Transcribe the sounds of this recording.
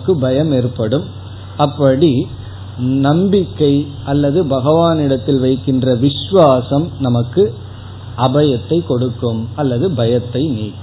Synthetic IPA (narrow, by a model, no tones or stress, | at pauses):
kːɯbɐjɐmeːrpːɐɽɯm | ɐpːɐɽi | nɐmbɪkːɐɪ | ʔɐlːɐðɯbɐɣɐʋaːnɪɽɐt̪ːɪlʋɐɪkːɪndrɐʋɪʃʋaːsɐmnɐmɐkːɯ | ʔɐbɐjɐt̪ːɐɪkːɔɽɯkːɯmɐlːɐðɯbɐjɐt̪ːɐɪniːkːɯ